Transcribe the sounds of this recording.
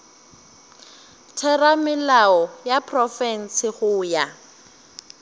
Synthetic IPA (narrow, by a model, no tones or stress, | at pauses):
tʰɛramɪlaɔjapʰʼrɔfɛn̩sɪχʊːja